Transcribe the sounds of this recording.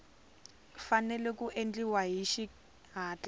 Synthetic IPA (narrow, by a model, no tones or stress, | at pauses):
fanɛlɛkuʔend͡ɮiwaɦiʃi | ɦaːt͡ɬa